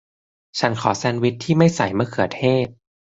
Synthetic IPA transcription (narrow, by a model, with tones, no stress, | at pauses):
t͡ɕʰa˦˥nkʰɔ̰ː˩˦sɛː˧˥nwi˦˥t̪ʰːiː˥˩ma˥˩jsa˨˩˦jmɯ˥ɐkʰɯ˨˩˦ɐt̪ʰeː˥˩t̪̚